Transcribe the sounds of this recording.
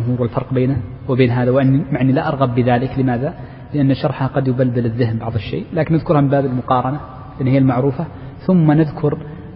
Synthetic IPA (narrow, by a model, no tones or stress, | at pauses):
mɦuːɾwɪlfɑɾˤqbeːna | wɪbeːnɦaːðawɪʔanːimaʕnːilaʔɑɾˤɣɑbːɪðaːlɪklɪmaːða | lɪʔanːaʃɑɾˤħhaqɑd̪jʊbald̪ɪlɪðːɪɦɪmbɑʕðˤɪʃːḛːlaːkɪnʔaðkʊɾˤhamɪmbaːbɪlmʊqɑːɾˤɑna | ʔɪnːhɪjːalmaʕɾuːfa | θʊmːanaðkʰʊɾ